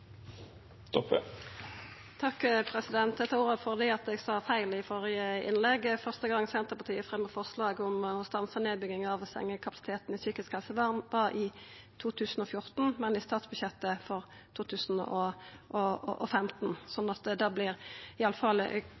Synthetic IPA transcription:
t̪ɔpə̰ | t̪ʰɑkːpʰʁɛsɪd̪ɛnt̪̚d̪ɛt̪ʰːɑuːʁəfɔʁd̪ɪɑt̪̚d̪ɛɡsɑːfæɪlɪfɔɾɪəɪ̰nlɛɡfœʁst̪əɡɑŋːsɛnt̪əpɑʁt̪ʰiːəfʁɛməfɔʁslɑːɡɔmɔst̪ɑnsəneːd̪̚bʏɡɪŋɑʋsɛ̰ŋːəkʰɑpɑsɪ̥t̪ʰeːt̪n̩ɪsyːkɪskhɛlsəʋɑːʁnʋɑɾɪ | t̪ʰuːt̪ʰʉːsn̩ɔfjʊʁt̪n̩mɛnɪst̪ɑːt̪sbʉçjɛt̪ːəfɔʁ | t̪ʰuːt̪ʰʉːsn̩ɔʔɔ̰ʔɔ̰fɛmt̪n̩sɔnːɑt̪d̪ɑːblɪʁɪɑləfɑl

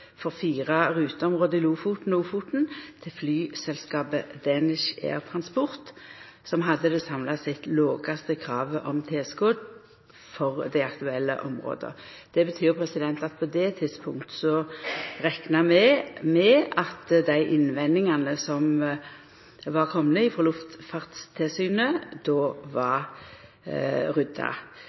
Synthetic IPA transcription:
fɔʁfiːʁɑʁʉːt̪əɔmʁoːd̪əɪluːfuːt̪n̩uːfuːt̪n̩t̪ʰɪlflyːsɛlskɑːbəd̪ɛnɪʃḛːʁt̪ʰʁɑnspʊʁt̪ | sɔmɦɑd̪ːəd̪əsɑmlɑsɪt̪loːɡɑst̪əkʰɾɑːʋəʔɔmt̪ʰeːskoːd̪ | fɔʁd̪æɪɑkt̪ʉɛlːə̰ʔɔmʁo̰ːd̪ə̰ | d̪̥ɛbət̪ʰyːʁpʰɾɛsɪd̪ɛnt̪ɑt̪̚pʰɔd̪ɛt̪ʰɪd̪spʰʊŋkt̪sɔʁɛknɑmɛmɛɑt̪d̪æɪʔɪnʋɛnːɪŋɑnəsɔm | ʋɑʁkʰɔmːnəɪfɔlʉft̪fɑʁt̪st̪ʰɛlsyːnəd̪̥oːʋɑʁ | ʁʉd̪ɑ̰

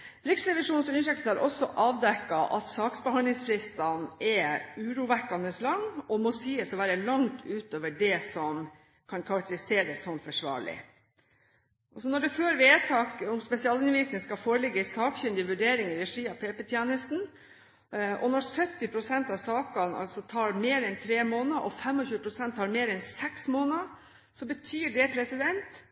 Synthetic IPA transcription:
ɾɪksɾɛʋɪʂuːnsɔʏnʂɛkt̪hɑɾʔɔsːɔʔɑːʋd̪ɛkːɑʔɑ̰t̪sɑːksbɛhɑnd̪lɪŋsfɾɪst̪ɑnɛʉːɾuːʋækːɑnəslɑŋːɔmɔsiːəsɔʋæːɾəlɑŋt̪ʰʉːt̪oːʋəɖɛsɔm | kʰɑnkʰɑɾɑk̚t̪əɾɪseːɾəsːɔnfɔʂʋɑ̰ːɭɪ̰ | ʔɑsɔnɔɖɛføːɾʋeːt̪ʰɑːkʊmspɛsɪɑːlɪnʋiːsən̩skɑfoːɾəlɪɡːəsɑːkçʉnd̪ɪʋʉɖeːɾɪŋɪɾɛʂiːɑpʰeːpət̪ʰjɛːnəlst̪n̩ | ʔɔnɔɾsœt̪ːɪpʰɾʊsɛnt̪ɑʋsɑːkɑnɑ̰lsɔt̪ʰɑːɾmeːɾɛnt̪ʰɾeːmoːnəʔɔfɛmɔçʉːəpʰɾʊsɛnt̪ʰːɑːɾmeːɾɛnsɛksmoːnə | sɔbət̪ʰyːɖɛpʰɾɛsɪd̪ɛnt̪

